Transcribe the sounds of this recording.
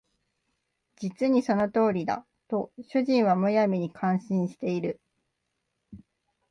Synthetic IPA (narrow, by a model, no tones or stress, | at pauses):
d͡ʑit͡sɨɲ̟iso̞no̞t̪o̞ːɾʲid̪a̰ | t̪o̞ɕɨʑĩɰ̃βamojamʲiɲ̟ikʰãɰ̃ɕĩɰ̃ɕi̥t̪e̞iɾɯ̟